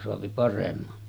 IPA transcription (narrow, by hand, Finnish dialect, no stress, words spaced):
soɑpi pɑremːɑ